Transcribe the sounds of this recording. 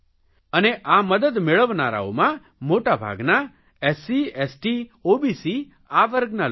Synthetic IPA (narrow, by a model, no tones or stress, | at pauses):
əneʔaməd̪əd̪meɭəʋnaɾa̰o̰mã | moʈabʱa̰ɡna | ɛsiesʈiobisi | aʋəɾɡnal